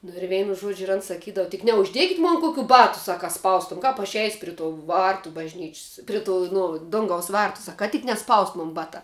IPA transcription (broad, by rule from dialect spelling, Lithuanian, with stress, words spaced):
nʊ ɪr ˈʋʲɛɪnʊ ˈʒuɔd͡ʒʲʊ ɪr ɐn sɐˈkʲiːdɐw tʲɪk nʲɛʊʒʲˈdʲiɛkʲɪtʲ ˈmoːn ˈkʊkʲuː ˈbɑːtʊ ˈsɐk kɐ ˈspɐʊstuɔm ˈkɐp ɐʃ ɛɪsʲ ˈpʲrʲɪ toː ˈʋɐrtʊ bɐʒʲˈnʲɪt͡ʃʲsʲ ˈpʲrʲɪ ˌtuː ˈnʊ ˈdʊŋɡɐʊs ˈʋɐrtʊ ˈsɐk kɐ tʲɪk nʲɛˈspɐʊst ˈmʊn ˈbɑːtɑː